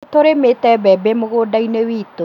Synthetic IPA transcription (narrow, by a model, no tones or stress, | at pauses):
t̪oɾemetɛbɛbemoɣodainewiːto